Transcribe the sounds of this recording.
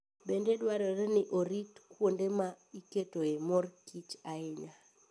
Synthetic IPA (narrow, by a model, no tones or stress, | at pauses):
bendedwaɾɔɾenɪʔoɾitkwondema | iketoemorkit͡ʃaɪɲa